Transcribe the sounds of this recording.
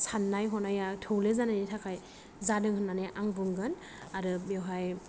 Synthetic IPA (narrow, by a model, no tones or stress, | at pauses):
sanːajɦɔnajatʰɯwlezananetʰakʰaj | zadɯŋhɯnːaneʔaŋbɯŋɡɯn | aɾɯbewɦaj